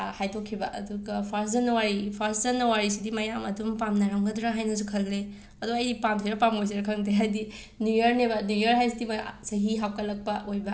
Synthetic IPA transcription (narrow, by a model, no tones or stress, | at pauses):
hajtʰokʰːibɐʔɐ̰duɡɐpʰaɾs̬zɐnːɐwaɾipʰaɾszɐnːɐwaɾisidimɐjamɐdumpamnɐɾɐmɡɐduɾaɦajnɐs̬ukʰɐlɡɾe | ɐduɐjdipamtʰiɾɐpamojs̬iɾɐkʰɐŋdeɦajdi | nujɐɾnebɐnujɐɾɦajs̬idimɐsɐɦiɦawkɐlɐk̚pɐojbɐ